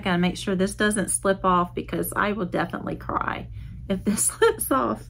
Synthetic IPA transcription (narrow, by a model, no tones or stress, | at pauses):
ɡ̥ʌ̃nɨmeɪkʃʊɹðɪsd̥ʌzɨ̃ntslɪpɔfb̥ɨkʰʌza̰ɪwəlˠdɛfənə̰ʔˡlḭkʰɹ̥a̰ɪ | ɨfðɪslɪpsɔf